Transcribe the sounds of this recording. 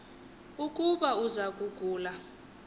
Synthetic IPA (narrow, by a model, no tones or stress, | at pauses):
ukʼuɓauzak̬ʼuɡ̥ʱuːla